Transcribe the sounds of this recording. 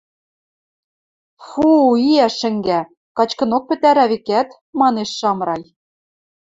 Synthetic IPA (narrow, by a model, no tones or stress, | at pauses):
fuiæʃɘ̆ŋɡæ | kɑt͡ɕkɤ̆nok̚pɘ̆t̪æɾæβikæt̪ | mɑneʃːɑmɾɑj